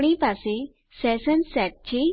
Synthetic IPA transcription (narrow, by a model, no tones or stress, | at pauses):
ɽ̃ipase | sɛsənsɛʈ̚t͡ɕe